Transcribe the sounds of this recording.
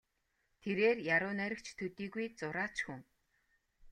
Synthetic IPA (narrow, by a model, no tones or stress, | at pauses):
t̪ʰeɾeːrjaɾʊːnæɾʲə̆kt͡ɕʰt̪ʰɵt̪iːɣujt͡sʊɾaːt͡ɕxuŋ